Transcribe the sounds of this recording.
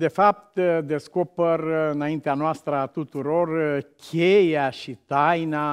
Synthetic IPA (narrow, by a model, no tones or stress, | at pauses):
d̪e̞fap̚t̪d̪e̞sko̞perɨnaint̪eanoast̪ɾət̪ut̪uɾo̞rkʲʰejaʃit̪ajna